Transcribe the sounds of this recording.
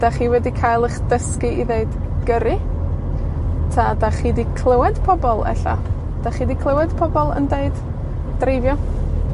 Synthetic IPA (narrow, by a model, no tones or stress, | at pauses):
d̥aχiːwɛdikʰajlˠəχd̥əskiʔiðeɨdɡ̥əɾɨ | tʰadaχiːdikʰlˠəwɛd̥pʰɔbɔlˠɛ̰ɬa̰ | d̥aχiːdikʰlˠəwɛd̥pʰɔbɔlˠə̰ndeɨd̥ | d̥revjɔ